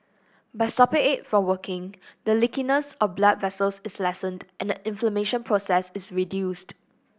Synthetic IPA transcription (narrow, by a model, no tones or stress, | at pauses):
baɪsapəetfɹɔ̃mwəkɪ̃ŋdəlɪkinəsɔfblat̚vɛsəlsɪslɛsə̃ndʔɛ̃ndəʔɪ̃ɱfləmeʃə̃npʰɹosɛsɪsɹidjust